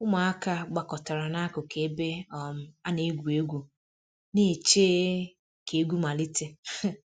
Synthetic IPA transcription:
ʊ˦ma˨˦a˦ka˦ɡ͡ba˨kɔ˨ta˨ɾa˨na˦kʊ˨kʰe˨˦be˦ɔ˨m̩˨a˦ne˨˦ɡʷu˨e˦ɡʷu˨ | ne˦˨t͡ʃe˦ | kʰe˨˦ɡʷu˦ma˨li˦te˦˨

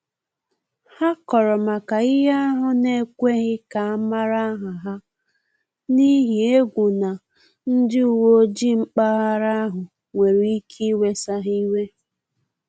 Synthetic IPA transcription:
ha˦kɔ˨ɾɔ˨ma˨ka˨ɪ˦ɦa˦a˦ɦʊ˦ne˦kʷe˦ɣɪ˦ka˨a˦ma˦ɾa˦ɦa˨ɦa˦ | ni˦ɦi˨e˦ɡʷu˨na˨ | n̩˦dɪ˦u˨wo˦d͡ʒi˦ŋ͡m̩˦k͡pa˦ɦa˦ɾa˦a˦ɦʊ˨ | ŋʷe˨ɾi˦kʰi˦we˦sa˦ɦi˦we˦

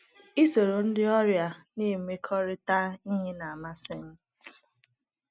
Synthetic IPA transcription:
i˦so˨ɾo˨n̩˦dɪ˦ɔ˦ɾja˨ni˦˨me˦kʰɔ˦ɾɪ˦ta˦i˦ɦe˦na˨a˨ma˦sɪ˦m̩˦

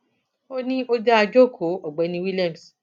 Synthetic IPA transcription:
o˦nĩ˦o˦d͡ʒa˦a˧d͡ʒo˦˨kʰo˨˦ɔ˨ɡ͡bɛ˨˦nĩ˧wi˦lɛ˦˨m˨s

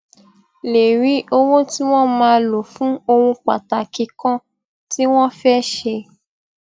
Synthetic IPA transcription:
le˨ɾi˨˦o˦wo˦ti˦w̃ɔ̃˦mãː˧˦˧lo˨fũ˨˦o˧wũ˧k͡pa̰˨ta˨ki˧kã˦ | ti˦w̃ɔ̃˦fɛ˦ʃe˧

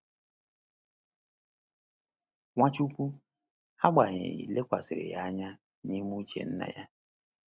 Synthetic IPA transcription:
ŋʷa˦t͡ʃu˦kʷu˦ | ha˦ɡ͡ba˨ɲɪ̰˨ḭ˨le˦kʷa˨sɪ˨ɾɪ̰˨ja˦ɲa˦ | ni˦mu˦t͡ʃḛ˨n̩˦na̰˨ja˦

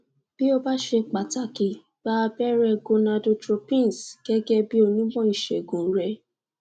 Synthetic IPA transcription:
b̥i˦o˧ba˦ʃe˧k͡pa˨ta˦˨ki˨ | ba˦˧bɛ˦ɾɛ˧ɡo˧na˧do˧tɾo˧pĩ˦n˨sɡ̥ɛ˦ɡɛ˦bi˦o˧nĩ˦bɔ̃˦i˦˨ʃɛ̰˨ɡũ˨˦ɾɛ˧˦

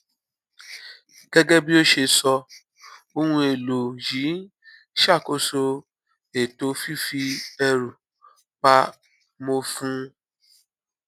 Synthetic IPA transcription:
ɡ̥ɛ˦ɡɛ˦bi˦o˦ʃe˧sɔ˧ | o˧hũ˧e˨lo˨ji˨˦ | ʃa˦˨ko˧so˧ | e˨to˧˦fi˦fi˧ɛ˧ɾu˨ | k͡pa˧˦ | mo˧fũ˦

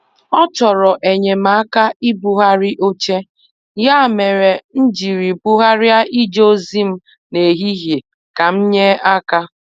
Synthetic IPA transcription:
ɔ˦t͡ʃɔ˨ɾɔ˨ʔe˨ɲe˨ma˨˦ka˦i˦bu˨ɦa˦ɾɪ˦ʔo˦t͡ʃe˦ | ja˦˨me˨ɾe˨n̩˦d͡ʒi˨ɾi˨bu˦ɦa˦ɾja˦ʔi˦d͡ʒo˦zi˦m̩˦ | ne˨ɦi˦ɦje˨ | ka˨m̩˦ɲe˦a˦ka˦

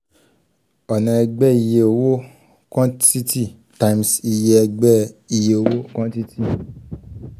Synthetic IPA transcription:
ɔ˨nã˨ɛ˧ɡ͡bɛ˦i˨je˧o˧wo˦ | kɔ̃˦ti˦ti˦˨ | ta˧ĩ˧msi˧je˧ɛ˧ɡ͡bɛ˦i˨je˧o˨wo˦kɔ̃˦ti˦ti˦˨

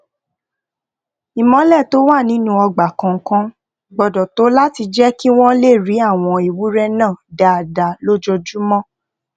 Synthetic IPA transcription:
i˨mɔ̃˧˦lɛ˦˨to˦wa˦˨nĩ˨˦nũ˦ɔ˧ɡ͡ba˨kã˨ŋ̩˦kã˦ | ɡ͡bɔ˧dɔ̃˨to˨˦la˦ti˧d͡ʒɛ˦ki˦w̃ɔ̃˦le˦˨ɾi˨˦a˦˨w̃ɔ̃˧i˨wu˨˦ɾɛ˦nãː˦˨da˨a˨da˨lo˦d͡ʒɔ˧d͡ʒu˦mɔ̃˦

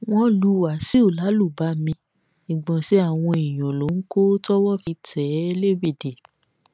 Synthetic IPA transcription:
w̃ɔ̃˦lu˧wa˨˦si˦o˦˨la˨˦lu˦˨ba˨˦mĩ˧ | ĩ˨ɡ͡bɔ̃˨ʃe˨˦a˦˨w̃ɔ̃˧i˨j̃ɔ̃˨lo˨˦ŋ̩˦ko˦tɔ˦wɔ˦fi˧tʰɛ˨˦e˦le˦˨vi˦˨de˨

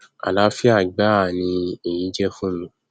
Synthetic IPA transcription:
a̰˨la˨˦fi˦a˦˨ɡ͡ba˦a˦˨nĩ˧e˨jĩ˨˦d͡ʒɛ˦fũ˦nũ˨˦

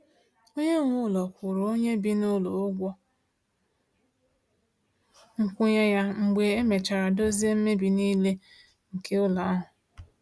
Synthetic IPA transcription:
o˦ɲe˦ŋʷʊ˦˨lɔ˨kʷʊ˨ɾo˨o˦ɲe˦bi˦nʊ˦lo˨ʊ˦ɡʷɔ˦ | ŋ̩˨kʷʊ˦ɲe˦ja˦ŋ͡m̩˨ɡ͡be˨e˦me˨t͡ʃa˨ɾa˨do˦zi˦e˦m̩˦me˦bi˨ni˦le˦ | ŋ̩˨kʰe˦ʊ˦la˨a˦ɦʊ˨

